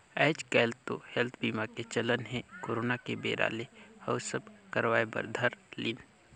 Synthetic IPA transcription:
ɛːt͡ʃkɛːlt̪o̰hɛlt̪ʰbiːmaket͡ʃələnɦɛ̃koːɾoːnakebeːɾa̰ːlehəʊsəbkəɾʋwaːebə̰ɾd̪ʱəɾlin

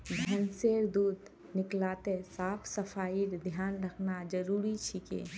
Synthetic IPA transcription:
bʱənseɾd̪uːd̪ | nɪklaːt̪esaːpʰsəpʰaːiɾd̪ʱjaːnɾəkʰnad͡ʒəɾuːɾit͡ʃʰikḛ

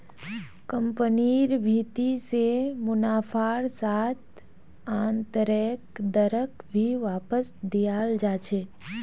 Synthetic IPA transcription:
kəmpəniɾbʱit̪isemʊnafʰaɽsat̪̚ | ant̪əɾek̚d̪əɾəkbʱiʋapəsd̪ijald͡ʒat͡ʃʰe

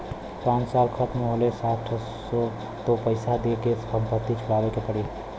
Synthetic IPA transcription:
pãnt͡ʃsalkʰət̪meɦolesaʈʰ | so | t̪opəɪsad̪ekessəmpət̪it͡ʃʰʊɽabekepəɽi

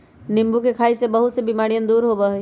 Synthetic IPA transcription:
nɪ̃mbukekʰaːisebɐɦʊt̪sebimaːɽijə̃nd̪uːɾɦobaɦ

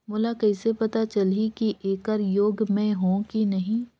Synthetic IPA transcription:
mʊlakɐɪsepɐt̪at͡ʃɐlikiʔeːkəɾjoːɡmẽɦõkinɐɦĩː

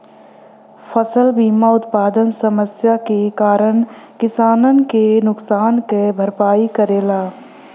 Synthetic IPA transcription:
fʰəsəlbiːmaʊt̪paːd̪ənsəməsjakekaːɾəɳ̃kɪsaːnənkenʊksaːnkebʱəɾpaːikəɾeːlaː

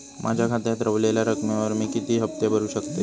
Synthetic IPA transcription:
mʔa̰d͡ʑʱakʰat̪jat̪ɾəʋlelaɾəkmeʋəɾmiːkit̪iːɦəp̚t̪ebəɾuːɕəkt̪e

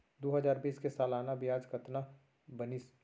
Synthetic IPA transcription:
d̪oːɦəzaːɾbiːskesaːlaːnabɪjaːd͡ʒkət̪na | bənis

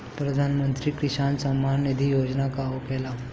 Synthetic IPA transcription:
pɾəd̪ʱanmənt̪ɾiːkɾiɕansəmːannid̪ʱijod͡ʑnakaokɛla

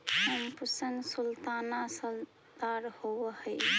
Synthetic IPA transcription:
həmpusəŋɡsult̪anasəl | d̪aɾhowəhəj

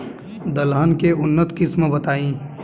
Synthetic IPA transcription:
d̪əlɦənkeʊnːət̪kɪsməbɐt̪aːĩː

